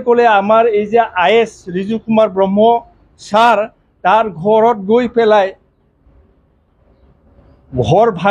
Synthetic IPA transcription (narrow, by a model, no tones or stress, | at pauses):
kɔlɛamaɹejziaʔajɛsɹizukumaɹbɹɔmːɔ | saɹ | taɹɡʱɔɹɔt̚ɡojpʰɛlaj | ɡʱɔɹbʱa